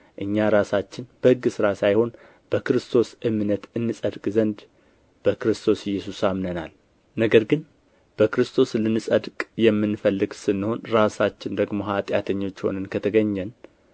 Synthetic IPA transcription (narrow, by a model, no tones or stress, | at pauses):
ʔɨɲːaɾasat͡ʃːɪnb̥əhɨɡːɨsɨɾasajho̞n | b̥əkɨɾɨst̪ʰo̞sʔɨmnət̪ɨnːɨsʼəd̪kʼzənd̪ | b̥əkɾɨst̪ʰo̞sjːɛsusamnəna̰l | nəɡəɾɡɨn | b̥əkɨɾɨst̪ʰo̞slɨnɨsʼəd̪kʼjɛmːɨnfəlːɨɡsɨnːɨho̞nɾasat͡ʃːɪnd̪əɡmo̞ɦat̪ʼjat̪ʰəɲːo̞t͡ʃːho̞̰nɨnkʰət̪ʰəɡəɲːɛn